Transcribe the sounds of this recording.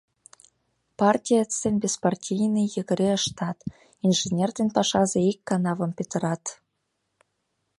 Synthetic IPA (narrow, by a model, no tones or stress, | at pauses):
pɑrtʲijat͡senʲbʲespɑrtʲijnɤjə̆ɣə̆ɾʲeə̆ʃt̪ɑt̪ | inʒenʲerd̪ʲenpɑʃɑzeikːɑnɑvɤ̆mpʲet̪ə̆ɾɑt̪